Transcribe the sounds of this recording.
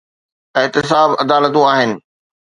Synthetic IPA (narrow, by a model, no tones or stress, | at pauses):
ɪɦt̪ɪs̬aːbɐd̪aːlət̪̬ũaːɦɪnɪ̆